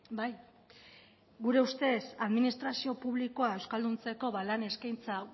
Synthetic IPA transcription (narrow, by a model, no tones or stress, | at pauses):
baj | ɡuɾe̞ust̪e̞saðminist̪ɾasio̞puβliko̞ae̞wskald̪unt͡se̞ko̞βalane̞skajnt͡sa